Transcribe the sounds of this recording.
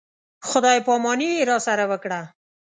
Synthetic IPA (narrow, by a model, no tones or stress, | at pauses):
xʊd̪ɑjpɑmɑniweɾɑsaɾawəkɽa